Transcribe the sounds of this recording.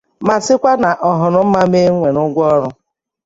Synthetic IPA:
ma˨sɪ˦kʷa˦na˨ʔɔ˨ɦʊ˨ɾʊ˨m̩˦ma˦me˦ŋʷe˨nʊ˦ɡʷɔ˦ɾʊ˦

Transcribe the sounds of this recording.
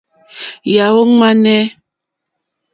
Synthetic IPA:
ja˨wo˦ŋ˦ma˦nɛ˦

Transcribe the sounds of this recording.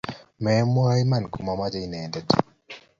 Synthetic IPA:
mɛ˨˦m˦jma˨nku˨ma˨ma˦d͡ʒa˦i˨nɛ˨dɛ˦d

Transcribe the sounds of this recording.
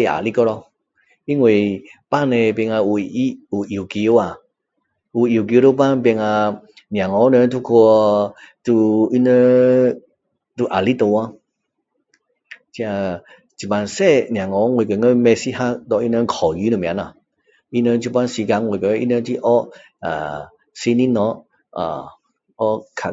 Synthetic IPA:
ja̰˨li˦kɔ˦ɾɔ˧ | i˦ŋwe˨pa˦nẽ˧pɛ˧ŋa˧u˨˧˨i˦u˨ʔi˨ki˧˦o˦a˨ | u˨i˨k̬i˧˦ɾo˦pa˦npɛ˧ŋa˧ | nj̃ã˨ŋɔ˨˦nə̃˧˦t̪ʰu˦kʰo˧ | t̪u˧i˦nə˧˦ | t̪u˧ʔa˨˩li˦t̪o˧wa˦ | t͡ʃi˧˦a˧ | d͡ʒi˨ma˨˧nsɛ˦n˨a˨ŋɔ˨˦ŋwe˨kə˨˦ŋə˦mɛ˧si˦ha˦dɔ˧˨ʔi˦nə˦˧kʰɔ˨ji˨˦nə˨m˨a˨˦na˨ | i˦nə˧t͡ʃu˧˦pa˦nsi˧ɡa˧˦ŋwe˨kə˨˦ʔḭ˦nə˧ti˦ʔɔ˦ʔ | a̰˨ | si˧ni˦nɔ˧˦ | a̰˨ | ɔ˦kʰa˨

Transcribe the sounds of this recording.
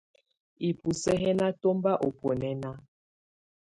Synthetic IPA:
i˨pu˨sɛ˦ɦɛ˦na˦to˦mba˦ʔo˨pɔ˨nɛ˦na˦

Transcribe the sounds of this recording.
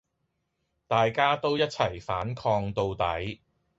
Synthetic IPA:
t̪aː˨jkaː˥t̪o˥wjɐ˥t̚t͡sʰɐ˨˩jfaː˨˥nkʰɔː˧ŋt̪o˧wt̪ɐ˨˥j

